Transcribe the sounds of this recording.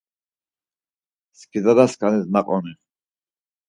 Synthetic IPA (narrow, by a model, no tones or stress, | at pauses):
skʰid̪ad̪askʰanɛsnaqʼɔnɛ